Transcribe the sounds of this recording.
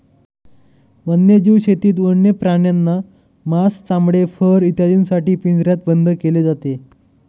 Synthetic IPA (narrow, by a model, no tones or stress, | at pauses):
ʋənːjed͡ʑiʋɕet̪iːt̪̬ʋəɳjəpɾaɳjanːa | mast͡samɽefəɾit̪jad̪iːnsaʈiːpind͡zɾjat̪̚bənd̪ʱəkeled͡zat̪e